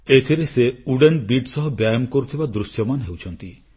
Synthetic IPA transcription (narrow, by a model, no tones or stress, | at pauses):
et̪ʰiɾeseuɖenbiɖsɔɦɔbjajɔmkoɾut̪ʰibad̪ɾusjɔmanɦewt͡ʃʰɔnt̪i